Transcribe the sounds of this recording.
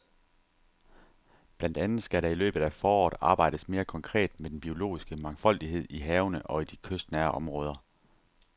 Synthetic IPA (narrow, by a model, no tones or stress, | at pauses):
b̥læn̰d̥ænð̩ˠsɡ̥æɾɑ̈ilø̰ːb̥ð̩ˠæfɒːɒ̰ːd̥ɑ̈ːb̥ɑ̈ɪ̰d̥əsme̝ːɐkʰɒ̽ŋkʰʁɛ̰ːd̥med̥en̩b̥io̝lo̝̰ːisɡ̥əmɑ̈ŋfɒ̽l̰d̥iɦe̝ð̞̰ˠiɦɛːʊnəʔɒ̽id̥ikʰøsd̥næːɐʔɒ̽mʁɔ̽ːð̞ˠɐ